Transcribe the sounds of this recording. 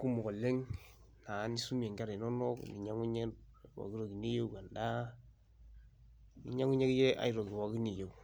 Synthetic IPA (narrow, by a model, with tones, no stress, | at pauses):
ku˦mɔ˨kɔ˨le˦ŋ | na˨˦ni˦su˦mi˨e˨ŋɡa˦ɾe˨nɔ˦nɔ˦knḭ˨ɲa˦ŋu˦ɲe˦t̚ | wa̰˨ki˦ɾo˨ki˨ni˦jo˦ka˨nda˦ | ni˨˦ɲa˦ŋu˦ɲe˦kje˦ʔa̰˨i˦ɾo˨ki˨wa˨ki˦ni˨jo˨